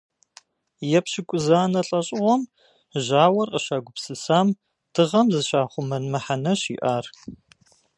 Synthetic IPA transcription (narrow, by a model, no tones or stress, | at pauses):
jɛpɕɪkʷʼʊzaːnɐɬʼɐɕʼɪʁʷɔm | ʑaːwɐrqʼəʃaːɡʷʊpsɨsaːm | d̥ɨʁɐmzɨɕaːχʷʊmɐnmɐħanɐɕḭːʔaːr